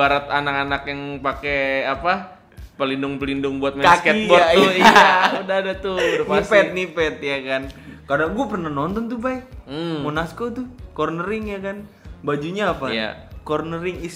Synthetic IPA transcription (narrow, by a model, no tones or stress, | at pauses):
baɾat̪anakanakjaŋpakeapa | pəlindʊŋpəlindʊŋbuat̪̚mɛaskɛbaatʊjudaadat̪ʊdopnasɛt̪̚nipɛt̪̚jakankadaŋɡuapərnahnɔnt̪ɔnt̪ubaɪk̚m̩monaskot̪ʊkɔrnəɾɪŋjakan | bad͡ʒuɲaːpaja̰kɔrnəɾɪŋi